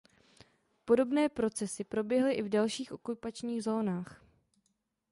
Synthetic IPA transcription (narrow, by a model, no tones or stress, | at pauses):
po̞do̞bnɛːpɾo̞t͡sɛsɪpɾo̞bjɛɦlɪʔɪvdalʃiːxʔo̞kupat͡ʃɲiːɣzo̞ːnaːx